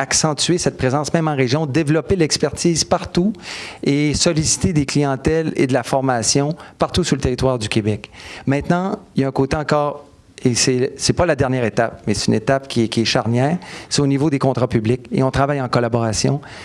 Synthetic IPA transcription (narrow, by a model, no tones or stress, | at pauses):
aksɑ̃t̪yɥesɛt̪̚pʁezɑ̃smɛ̃mɑ̃ʁeʒjɔ̃d̪evlɔpelɛkspɛʁt̪iːzpaʁt̪uesɔlisi̥t̪ed̪eklijɑ̃t̪ɛlḛd̪əlafɔʁmasjɔ̃paʁt̪usylət̪eʁit̪waːʁd̪ykʲebɛkmɛ̃t̪nɑ̃jaɛ̃kot̪eɑ̃kɔːʁ | esɛsɛpalad̪ɛʁnjɛːʁet̪ap̚mɛse̥t̪ynet̪apkʲiɛkʲiɛʃaʁnjɛːʁseonivod̪ekɔ̃t̪ʁapyblɪkḛɔ̃t̪ʁavajɑ̃kɔlabɔʁasjɔ̰̃